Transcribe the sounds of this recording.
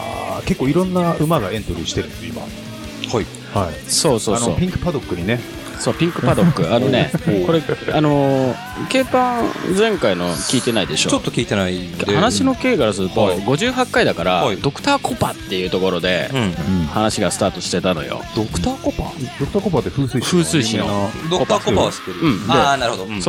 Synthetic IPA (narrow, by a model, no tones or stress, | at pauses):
a̰ke̞kːo̞ːiɾõ̞nːaɯ̟maɡaẽ̞nt̪oɾʲiɕi̥t̪e̞ɾɯima̰ | hai | haḭ | so̞ːso̞ːoo̰ːpʲĩŋkɯ̥pad̪o̞kːɯ̟ɲ̟ine | so̞ːpʲĩŋkɯ̟pad̪o̞kːɯ̟ano̞ne̞ko̞ɾe̞ano̞ | ke̞ːpãd͡zẽ̞ŋkaino̞kʲiːt̪e̞naid̪e̞ɕo̞ːot̪ːokʲiːt̪enaiheanaɕino̞keːkaɾasɨɾɯ̟t̪oɡo̞ʑɨːɦakːaid̪akaɾad̪o̞kɯ̟̥t̪aːkʰo̞pat̪ːe̞jɯ̟ːt̪o̞ko̞ɾo̞d̪ẽ̞ | hanaɕiɡasɨ̥t̪aːt̪o̞ɕi̥t̪e̞t̪ano̞̰jo̰d̪okɯ̟̥t̪aːkopa̰d̪okɯ̟t̪aːkopat̪ːeɸɯːsɨiɸɯːsɨiɕĩod̪okp̪akpt̪ːeɾɯɯ̟̃ɴdaenaɾɯod̪oso